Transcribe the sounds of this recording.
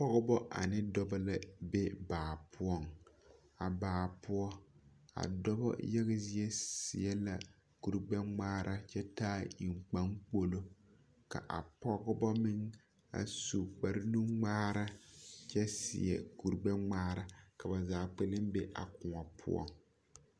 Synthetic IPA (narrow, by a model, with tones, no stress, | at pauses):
pɔ˦ɣɔ˦bɔ˦ʔa̰˨nɪ˦dɔ˦bɔ˦la˨be˦baː˨pʰʊ˦ɔ˦˨ŋ | a˨baː˨pʊ˦ɔ˦a̰˨dɔ˦bɔ̰˦jɛ˦ɣɪ˦zi˦ɛ˦si˨ɛ˦la˨ | ku˨ɾɡ͡bɛ˦ŋ͡maː˦ɾʔa˦t͡ʃɛ˦taː˦i˨ŋ͡mk͡pa˦ŋk͡po˦lo˦ | ka̰˨ʔa̰˨pɔ˦ɡɔ˦bɔ˦mɪ˦ŋ | a̰˨su˨k͡pa˨ɾɪ˦nu˦ŋ͡maː˦ɾa˦t͡ʃɛ˦sḭ˨ɛ̰˨ku˨ɾɡ͡bɛ˦ŋ͡maː˦ɾa˨ka˨ba˨zaː˨k͡pe˦lɪ˦mbe˦ʔa̰˨kʊ˨ŋa˨pʰʊ̰˦ɔ̰˦ŋ